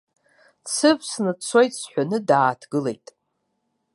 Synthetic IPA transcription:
t͡sʰɨvsnɨt͡sʰo̞jtʼsħʷᶣanɨdaːtʰɡɨle̞̰jtʼ

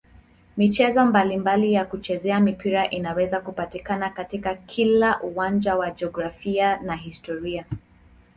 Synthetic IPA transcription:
mit͡ʃɛzɔmbalimbalijakut͡ʃɛzɛamipiɾaʔinawɛzakupatikanakatikakʰilaʔuwand͡ʒawad͡ʒɛɔɡɾafianaɦistɔɾia

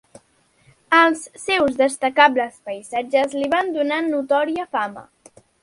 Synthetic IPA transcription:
əlˠsːɛwzðəst̪əkabləspəjzad͡ʒəzliβand̪unanːut̪ɔɾiəfamə̰

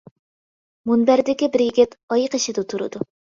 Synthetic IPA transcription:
munbæɾd̪ɪkʲibɪɾjɪɡʲɪt̪ɑjəqiʃɪd̪ɨt̪ʰuɾɨ̰d̪u

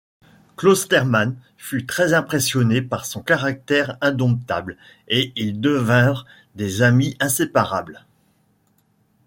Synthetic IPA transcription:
klost̪ɛʁman | fyt̪χɛzɛ̃pχesjɔnepaʁsɔ̃kaʁak̚t̪ɛʁɛ̃d̪ɔ̃p̚t̪a̰bl | eild̪əvɛ̃ʁ | d̪ezamiʔɛ̃sepaʁabl

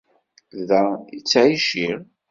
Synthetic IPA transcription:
ðæit͡sːʕiʃiɾ

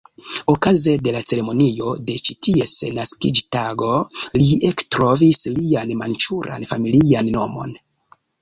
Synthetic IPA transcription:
o̞kazede̞lat͡se̞ɾe̞mo̞nio̞de̞t͡ʃitie̞snaskid͡ʒtaɡo̞liektɾo̞vislianmant͡ʃuɾʔa̰nfamilianːo̞mo̞̰n

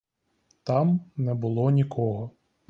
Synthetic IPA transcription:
t̪ɑmnɛbʊlˠɔnʲikʰɔɦɔ

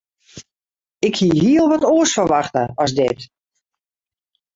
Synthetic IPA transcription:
ɪkhiɦiəlˠʋɔtoːsfərʋaxtəɔsdɪt

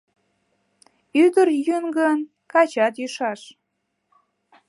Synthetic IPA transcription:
yd̪əɾjynɡən | kɑt͡ɕɑt̪jyʃɑʃ

